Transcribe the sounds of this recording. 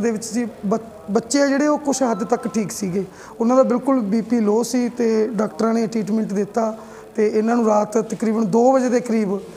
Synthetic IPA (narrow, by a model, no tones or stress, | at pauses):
d̪eːʋɪt͡ʃsiːə | bətːʃeːaːd͡ʒeːɽeːoːkʊʃɦəd̪t̪əkʈʰiːksiːɡeː | ʊnãːd̪aːbɪlkʊlbiːpiːloːsiːt̪eːɖaːkʈəɾãːneːʈɾiːʈ̬mɛ̃ːɳʈd̪ɪt̪ːaː | t̪eːʔɪnãːnũːɾaːt̪t̪əkɾiːbənd̪oːbəd͡ʒeːd̪eːkəɾiːb